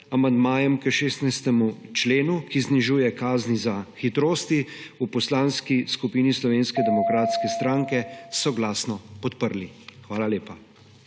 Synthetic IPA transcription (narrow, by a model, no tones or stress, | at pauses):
amand̪maːjɛmkəʃeːst̪najst̪ɛmut͡ʃleːnukizniʒuːjɛkaːznizaxit̪ɾoːst̪iupɔslaːnskiskupiːnislɔʋeːnskɛd̪ɛmɔkɾaːt̪skɛst̪ɾaːŋkɛsɔɡlaːsnɔpɔt̪pəɾlixʋaːlaleːpa